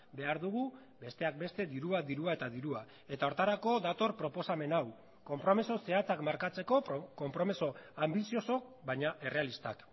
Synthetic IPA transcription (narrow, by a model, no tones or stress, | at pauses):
be̞aɾðuɣ̞u | be̞st̪e̞ak̚be̞st̪e̞d̪iɾuad̪iɾuae̞t̪aðiɾua | e̞t̪ao̞ɾt̪aɾako̞d̪at̪o̞ɾpɾo̞po̞same̞naw | ko̞mpɾo̞meso̞se̞at͡sakmaɾkat͡se̞ko̞ko̞mpɾo̞meso̞ambisio̞so̞kbajɲaʔe̞re̞alist̪a̰k